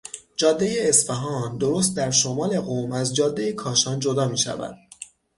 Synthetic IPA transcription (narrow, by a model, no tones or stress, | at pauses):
d͡ʒɒːd̪ːejeːsfeɦɒːnd̪oɾo̞st̪̚d̪æɾʃo̞mɒːle̞ɣomæzd͡ʒɒːd̪ːe̞jekʰɒːʃɒːnd͡ʒo̞d̪ɒːmiːʃæ̰væ̰d̪̥̚